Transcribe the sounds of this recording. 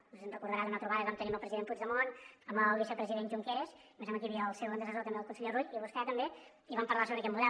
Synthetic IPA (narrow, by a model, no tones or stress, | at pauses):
uzənrəkuɾðəɾaðunat̪ɾuβaðəiβamt̪əniəməlˠpɾəziðemput͡ʃðəmonəməlˠβisəpɾəziðenʒuŋkeɾes | iməʒaməkiβiəlˠsewonəsəzot̪əmbeəlˠkunsəʎerujiβuskat̪əmbe | iβampəɾlˠasoβɾəkɛt̪muðɛ